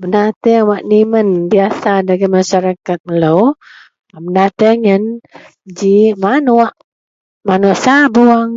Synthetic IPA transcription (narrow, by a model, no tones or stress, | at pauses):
bənat̪əŋwaʔnimənbiasadaɡamaʃaɾakat̪̚məlow | bənat̪əŋən | d͡ʒimanuaʔ | manuaʔsabuaŋ